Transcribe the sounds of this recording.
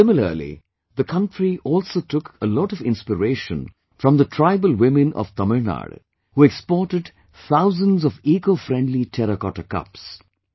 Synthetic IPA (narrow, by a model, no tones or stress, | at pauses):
sɪmɪlə̰lḭ | ðəkʰʌ̃nʈɹiʔɔːlsotʊkʰəlɔʈɔvɪ̃nspəɾeɪʃə̰̃n | fɾʌ̃md̪ətʰɹaɪbəlˠwɪ̃mɨ̃nɔ̰v̥t̪ʌməɹna̰ɖ | huɛkspɔːʈɨɖ | θaʊzə̃nzɔviːkofɾɛ̃ɳdlitʰɛɾəkɔʈəkʌ̰ps